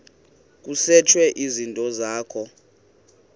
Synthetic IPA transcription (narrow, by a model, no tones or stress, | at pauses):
k̬ʼusɛt͡ʃʰwɛʔizintʼɔzaːkʰɔ